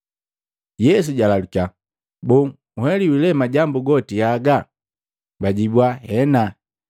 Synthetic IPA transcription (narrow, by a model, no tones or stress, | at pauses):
jɛs̬uɟalaluka | bɔŋ | uhɛliwilɛmaɟambuɡɔtiaɡa | baɟibwahɛna